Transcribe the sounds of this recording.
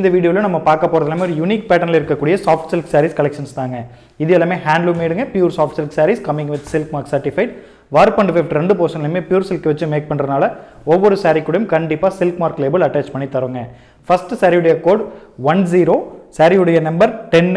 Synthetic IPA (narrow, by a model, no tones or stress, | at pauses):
nd̪ɐʋiːɽɪjoːlɐ̃nɐmːɐpaːɾkɐpːoːɾɐðɐlameːɔɾɯjʊniːk̚pɛːʈːɐɾnɪlɪɾɯkːɐkːuːɽɪjɐsaːfʈsɪlksaːɾiskɐlɛkʂɐnst̪aːŋɡɐ | ɪðɐjɛlaːmeːhaːɳɖlumeːɽɯŋɡɐpjuːɾsaːfʈsɪlksaːɾiskɐmɪ̃ŋɡʋɪd̪sɪlkmaːɾksɐɾʈɪfɐɪʈ̚ | ʋaːɾpɐɳɖfɪfʈɾɛɳɖɯpoːsɐŋɪlɐmeːpjuːɾsɪlkːʋɐt͡ʃːɯmeːk̚pɐɳːɾɐnaːlɐɔʋːɔɾɯsaːɾɪkʲːɯɽɐjʊ̃mkɐɳɖɪpːaːsɪlkmaːɾkleːbɐlɐʈːaːt͡ʃpɐɳːit̪ːɐɾɯŋɡɐ | fɐsʈsɐɾɪjɯɽɐjɐkoːɖʋɐns̬iːɾoːsaːɾɪjɯɽɐjɐnɐmbɐɾʈɛn